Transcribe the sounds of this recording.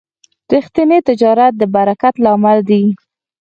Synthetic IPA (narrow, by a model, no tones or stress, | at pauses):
ɾixt̪init̪ɪd͡ʒɑɾat̪̚d̪əbaɾakat̪lɑmald̪i